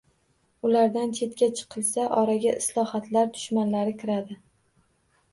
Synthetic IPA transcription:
ʊlaɾd̪ant͡ʃ̪ʰe̞t̪kʲat͡ʃʰɨ̥qʰɨlˠsaʔɒɾaɡʲaʔɪslˠɒhat̪laɾd̪ʊ̥ʃmanlaɾɪkʲʰɪɾad̪ɪ

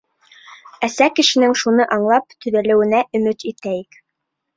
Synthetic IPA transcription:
æsækɘ̆ʃɘ̆nɘŋʃunɤʔɑɴlˠɑp̚t̪ɵ̆ðælɘ̆wɘ̆næʔɵ̆mɘt̪it̪æjɘk

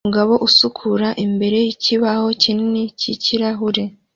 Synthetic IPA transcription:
uɡaβo̞ʔusukʰuɾaʔimbe̞ɾe̞jiciβaho̞cininicʰiciɾaɦuɾe̞

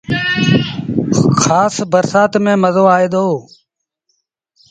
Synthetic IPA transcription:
xaːsbəɾsaːt̪mẽːməzoːaːeːd̪oː

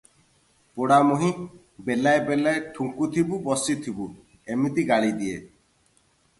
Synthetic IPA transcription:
poɽamɔɦĩ | belaebelaeʈʰuŋkut̪ʰibubɔsit̪ʰibu | emit̪iɡaɭid̪iḛ

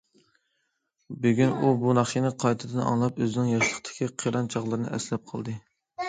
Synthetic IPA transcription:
byɡʲynubunɑχt͡ʃinɪqʰɑjt̪ʰɨd̪ɨnɑ̰ŋlˠɑpøznɪŋjɑʃlˠəqt̪ʰɪ̥kʲʰiqʰiɾɑnt͡ʃʰɑʁlˠɨɾɨnɨ̰ʔɛslɛp̚qʰəlˠd̪ɨ

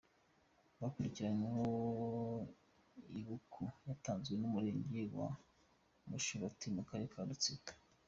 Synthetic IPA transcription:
βakuɾiciɾaneɦo | iβukʰujataːnzɡwe̞numuɾe̞ːɲɟewa̰ | muʃuɾatimukaɾekʰaɾut͡sikḁ

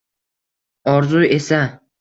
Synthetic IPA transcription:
ɒɾzuje̞sa

